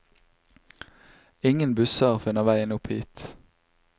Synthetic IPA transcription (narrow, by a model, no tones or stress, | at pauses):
ɪŋənbʉsəʁfɪnəʁʋæɪənʊphḭːt̪